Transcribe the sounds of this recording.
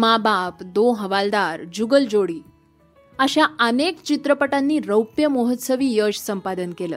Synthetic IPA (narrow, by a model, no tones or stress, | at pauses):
mabapd̪oɦəʋald̪aɾd͡ʑuɡəld͡ʑoɽiː | əɕjaənekt͡ɕit̪ɾəpəʈanːiːɾəwpjəmoɦət̪səʋiːjəɕsəmpad̪ənkelə̰ː